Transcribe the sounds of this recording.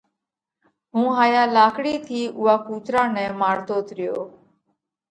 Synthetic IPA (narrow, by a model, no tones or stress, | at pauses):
ɦũːɦaːjaːlaːkɽiːt̪ʰiːʔʊɦaːkuːt͡ʃɾãːnɛ̃ːmaːɽt̪oːt̪ɾɪjo̰ː